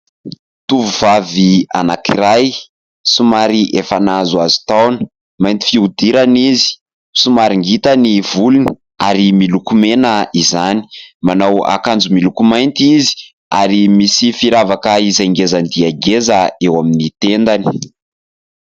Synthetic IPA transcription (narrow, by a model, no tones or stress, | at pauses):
t̪uvuvavia̰nakiɾaj | sumaɾiʔefanazuazu̥t̪awnə | majnt̪i̥fiud̪iɾanizi̥ | sumaɾiŋɡit̪əniv̥uluni | aɾimilukumenəizani̥manawa̰kand͡zumilukumajnt̪izi̥ | aɾimisifiɾavakəizajŋɡezand̪iaɡezəewaminit̪end̪ani̥